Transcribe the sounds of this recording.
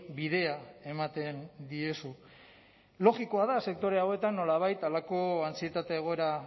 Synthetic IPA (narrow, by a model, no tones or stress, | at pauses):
biðe̞ae̞mat̪e̞nd̪ie̞su | lo̞ɣiko̞aðase̞k̚t̪o̞ɾe̞awe̞t̪anːo̞laβ̞ajt̪alako̞ansie̞t̪at̪e̞ːɣ̞o̞e̞ɾa